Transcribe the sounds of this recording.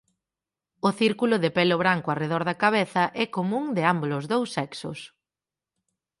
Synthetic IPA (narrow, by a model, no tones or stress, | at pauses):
ʊθiɾkulʊðɪpelʊβ̞ɾaŋkʊareð̞ɔɾðɐkaβ̞eθɐʔɛkomũŋd̪ɪambolozðowsːɛksʊ̰s